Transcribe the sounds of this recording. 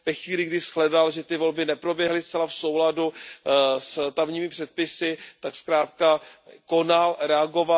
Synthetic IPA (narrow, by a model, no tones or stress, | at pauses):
vɛxviːlɪɡdɪsxlɛdalʒɛt̪ɪvo̞lbɪnɛpɾo̞bjɛɦlɪstt͡sɛlafso̞wladu | st̪amɲiːmɪpr̥ɛt̪̚pɪsɪt̪akskɾaːt̪kako̞nalɾɛaɡo̞va